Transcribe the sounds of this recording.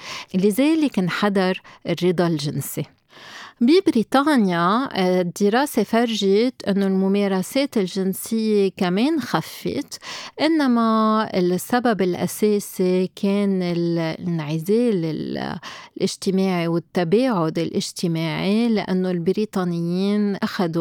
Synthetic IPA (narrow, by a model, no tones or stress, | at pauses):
lɪzeːlɪknħad̪ɑɾˤɪrːɪd̪ˤɑlʒɪnsi | bibɾiːt̪ˤɑːnjad̪ːɪɾˤɑːsefaɾˤʒet̪ʔɪnːolmʊmeːɾˤaseːt̪ɪlʒɪnsɪjːekameːnxafːḛt̪ʔɪnːamaɪ̰lsːababɪlʔa̰seːsikʰeːnɪlnʕɪzeːlɪllʔɪʒt̪ɪmaːʕiwɪt̪ːabeːʕʊd̪ɪlʔɪʒt̪ɪmaːʕilɪʔa̰nːolbɪɾiːt̪ˤɑːnɪjːiːnʔaxad̪u